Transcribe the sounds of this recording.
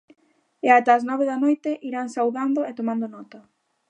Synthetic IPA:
eat̪aːznɔβeðanojt̪ɪʔiɾaŋsawðand̪oet̪omãnd̪onɔt̪ɐ

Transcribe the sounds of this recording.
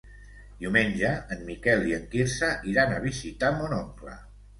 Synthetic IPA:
d̪iwmenʲʒəːnmːikɛlˠiəŋkiɾsəʔiɾanəβizit̪amɔnɔŋklə̰

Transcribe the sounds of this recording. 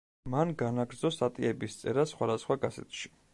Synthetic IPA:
manɡanaɡɾd̪zɔsat̪ʼiɛbist̪sʼɛɾasχwad̪asχwaɡazɛ̰t̪ʰʃi̥

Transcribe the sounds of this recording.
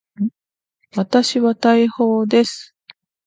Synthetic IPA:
βat̪aɕiβat̪aiho̞ːd̪e̞sɨ̥

